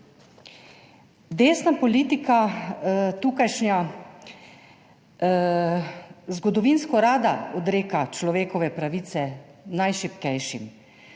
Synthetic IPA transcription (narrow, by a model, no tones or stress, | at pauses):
d̪eːsnapɔliːt̪ika | t̪uːkajʃɲa | zɡɔd̪ɔʋinskɔɾaːd̪aɔd̪ɾeːkat͡ʃlɔʋeːkɔʋɛpɾaʋit̪sɛnajʃipkɛjʃim